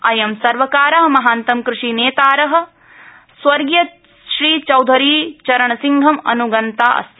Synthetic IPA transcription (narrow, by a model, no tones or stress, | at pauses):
ɐjɐmsɐɾʋɐkaːɾɐɦɐmɐɦaːnt̪ɐmkɾuʂiːneːt̪aːɾɐɦɐ̆ | sʋɐɾɡjɐ | ʃɾiːt͡ʃɐwd̪ʱɐɾiːt͡ʃɐɾɐɳɐsiŋɡʱɐmɐ̰nuɡɐnt̪aːʔɐ̰sɐ